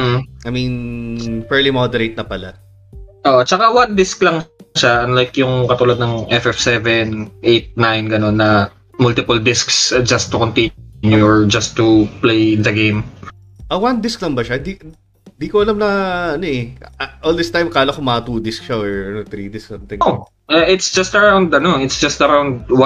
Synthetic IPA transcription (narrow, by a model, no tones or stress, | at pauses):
ʔm̩ʔɐjminpɛɹlimod̪ɛɾejt̪̚nɐpɐla | ʔoʔot͡ʃɐkawɐnd̪ɪsklɐŋʃaɐnlajkjʊŋkɐt̪uːlɐd̪̚nɐŋʔɛfɛfsɛvɛnʔejt̪̚najnɡɐno̞nːɐ | mʊlt̪ɪpʊld̪ɪsksd͡ʒɐst̪ːʊkont̪inuɔɹd͡ʒɐst̪ːuplejɪnd̪ɐɡejm | ʔɐwɐnd̪ɪsklɐŋbɐʃaɪnd̪i | nd̪iːkoʔɐlamnɐʔɐnoʔɛʔʔold̪ɪst̪ajmkaːlɐkomɐt̪uːd̪ɪskʃaoʔɐnot̪ɾid̪ɪsksɐnt̪ɪʔo | ʔɛʔɪt̪sd͡ʒɐst̪ɐɹawnd̪ɐnoɪt̪sd͡ʒɐst̪ɐɾawnd̪̚wa